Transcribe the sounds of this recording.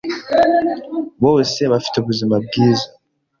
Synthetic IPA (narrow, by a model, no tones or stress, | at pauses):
βoweseβafi̥tuβuzimab̚ɡiːza